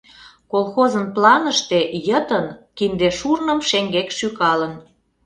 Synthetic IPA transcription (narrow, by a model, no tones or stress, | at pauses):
kolˠxozənplɑnəʃt̪e̽jət̪ənkind̪eʃurnə̆mʃeŋɡekʃykɑlən